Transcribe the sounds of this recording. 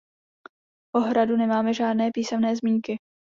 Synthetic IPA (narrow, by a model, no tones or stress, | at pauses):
ʔoɦɾadunɛmaːmɛʒaːdnɛːpiːsɛmnɛːzmiːŋkɪ